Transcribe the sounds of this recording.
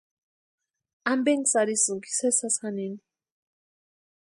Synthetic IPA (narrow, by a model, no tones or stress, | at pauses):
ambɛŋsaɾisuɡi̥sɛsasanen